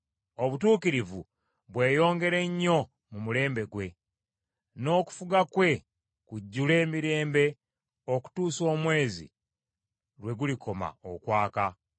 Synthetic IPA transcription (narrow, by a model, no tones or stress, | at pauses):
o̞βutuːkiɾivṵ | βwe̞ːjo̞ːŋɡe̞ɾe̞ɲːo̞ | mumule̞ːmbe̞ɡwe̞ | no̞ːku̥fuɡakwe̞ | kuɟːule̞ːmiɾe̞ːmbe̞ | oku̥tuːso̞ːmwe̞ːzḭ | ɾwe̞ɡulikʰo̞ma̰o̰kwaːka